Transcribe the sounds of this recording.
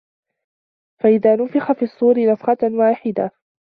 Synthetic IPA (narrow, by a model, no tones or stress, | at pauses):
faʔɪðaːnʊfɪxafiːʔɑsˤːuːɾɪnɑfqɑnwaːħɪd̪a